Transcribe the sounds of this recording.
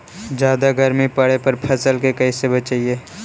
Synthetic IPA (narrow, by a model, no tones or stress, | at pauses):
d͡ʒjaːd̪aɡɐɾmipɐɽepɐɾpʰɐsəlkekɛisebɐt͡ʃaːieː